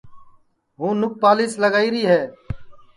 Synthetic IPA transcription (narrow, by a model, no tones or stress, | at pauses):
ɦũːnʊk̚paːliːsləɡaːiːɾiːɦeː